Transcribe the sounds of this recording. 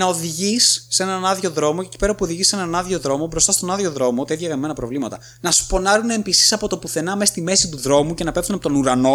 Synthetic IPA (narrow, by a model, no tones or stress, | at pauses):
nɐo̞ðiʝisːe̞nɐnɐðʝo̞ðɾo̞moceci̥pe̞ɾɐpuoðiʝise̞nɐnɐðʝo̞ðɾo̞mo̞bɾo̞st̪ɐst̪onɐðʝo̞ðɾo̞mot̪ɐiðʝɐɣɐnime̞nɐpɾo̞vlimɐt̪ɐ | nɐsu̥po̞nɐɾunempisi̥sɐpo̞t̪o̞puθe̞nɐme̞si̥t̪ime̞sit̪uðɾo̞muce̞nɐpe̞pθunɐpot̪o̞nuɾɐno̞